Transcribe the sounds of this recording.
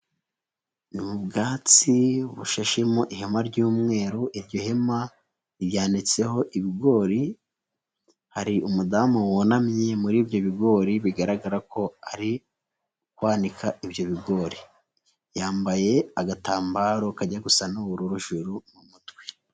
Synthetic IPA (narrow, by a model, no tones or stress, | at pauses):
nimubɡaːt͡siβuʃaʃimoʔiɦe̞maɾɟuːmŋe̞ːɾoʔiɾɟohe̞ma | iɾjaːndit͡se̞ho̞ʔiβiɡo̞ːɾi | haɾiʔumudamuwonamɲe̞muɾiːbjo̞βiɡo̞ːɾiβiɡaɾaɡaɾako̞aɾi | ukwaːnikaʔibjo̞βiɡo̞ːɾi | jaːmbaje̞aɡataːmbaːɾo̞kaɟaɡusanoβuɾuɾuʒuɾumumutɡwe